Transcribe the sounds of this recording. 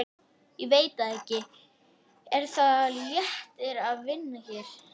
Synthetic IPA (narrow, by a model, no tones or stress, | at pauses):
iveːjt̪aðɛhcːɪ | ɛɾ̥θajɛht̪ɪɾaðvɪnːaçɛːɾ̥